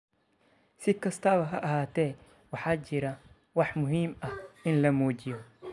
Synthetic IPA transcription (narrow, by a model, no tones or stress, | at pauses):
sɪkʰɐst̪ʰɐβɐɦɐ̰ʔɐɦaːt̪ʰɛː | wɑħɑːt͡ʃɪɾɐ | wɑħmʊɦiːmɐhʔɪnlɐmɔːt͡ʃɪjɔ